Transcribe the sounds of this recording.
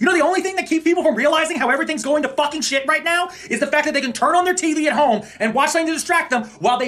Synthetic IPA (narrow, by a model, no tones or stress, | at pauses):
jɨnoʊðiõʊ̃nliθɪ̃ŋðɨt̚kʰipʰipl̩ˠfɹʌ̃mɹiəlaɪzɪ̃ŋɦaʊɛvɹiθɪ̃ŋzɡoʊɪ̃ŋtɨfʌkɪ̃ŋʃɪt̚ɹaɪtⁿnaʊ | ɨzðɨfæk̚ðɨt̪̚eɪkɨ̃ntʰɜ̃˞nə̃nðə˞tʰiliɨt̚ɦõʊ̃mɨ̃nwɑt͡ʃðɛ̃mtɨdɨstɹ̥æk̚ðə̃mwaɪlˠðeɪ